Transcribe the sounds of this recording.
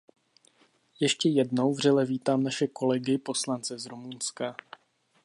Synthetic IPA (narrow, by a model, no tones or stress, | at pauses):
jɛʃcɛjɛdno̞wvr̝ɛlɛviːt̪aːmnaʃɛko̞lɛɡɪpo̞slant͡sɛzɾomunska